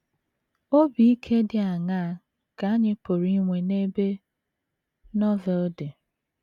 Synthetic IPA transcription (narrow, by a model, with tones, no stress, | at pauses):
o˦bi˨i˦kʰe˦dɪ˦˨a˨ŋa˦a˨ | ka˨a˦ɲɪ˦po˨ɾi˦ŋʷe˨ne˦be˦ | nɔ˦vɛ˨lde˨